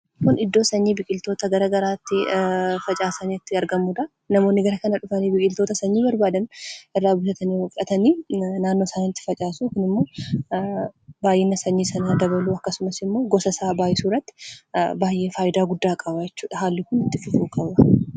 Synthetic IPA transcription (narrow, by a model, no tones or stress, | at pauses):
kʊnɪd̪ːo̞ːsɐɲːiːbɪkʼɪlt̪o̞ːt̪ɐɡɐɾɐɡɐɾaːt̪ːɪfɐt͡ʃʼaːsɐnit̪ːɪɐɾɡɐmːuᶑ̪ɐ | nɐmo̞ːnːɪɡɐɾɐkɐnɐᶑʊfɐniːbɪkʼɪlt̪o̞ːt̪ɐsɐɲːiːbɐɾbaːd̪ɐnʔɪrːaːbʊsɐt̪ɐniːwɐfᶑɐt̪ɐniːnaːnːoːsanɪt̪ːɪ̥fɐt͡ʃʼaːsuːkʊnɪmːo̞ː | baːjeːnːɐsɐɲːiːsɐnɐd̪ɐbɐluːɐkːɐsʊmɐsɪmːo̞ːɡɔsɐsaːbaːjɪsuːrɐt̪ːɪ̥baːjʔe̞ːfaːjɪd̪aːɡʊd̪ːaːkʼɐbɐjɛt͡ʃːuːᶑɐɦaːlːɪkʊnɪt̪ːɪfɪfuːkʼɐbɐ